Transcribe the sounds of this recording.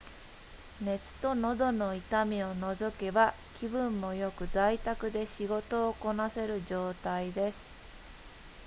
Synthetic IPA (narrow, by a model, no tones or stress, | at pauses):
ne̞t͡sɨ̥t̪o̞no̞d̪o̞no̞it̪amʲio̞no̞zo̞ke̞ba | kʲibɯ̟̃mːo̞jo̞kɯ̟zait̪akɯ̟d̪e̞ɕiɡo̞t̪o̞ːko̞nase̞ɾɯ̟ʑo̞ːt̪aid̪e̞sɨ̥